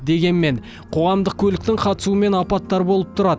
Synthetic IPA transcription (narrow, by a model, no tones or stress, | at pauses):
d̪e̞ɡʲe̞nme̞ɴ | qʰo̞ʁɑmd̪əq̚kʲʰɵlɪkt̪ɪŋqʰɑt̪ə̥suəme̞nɑpɑt̪ːɑɾbo̞lˠəp̚t̪ʰʊɾɑd̪ə